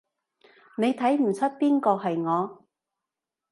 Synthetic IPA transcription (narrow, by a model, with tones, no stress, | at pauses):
ne˨˧jt̪ʰɐ˨˥jm̩˨˩t͡sʰɵ˥t̚piː˥nkɔː˧ɦɐ˨jŋɔː˨˧